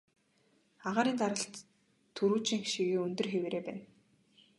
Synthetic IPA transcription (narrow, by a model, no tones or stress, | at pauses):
aʁaːɾiːnt̪aɾə̆ɬt̪ʰː | ɵɾuːt͡ɕĭŋxʃiɣeːɵnt̪ɵ̆rxewɾeːpæ̰ːn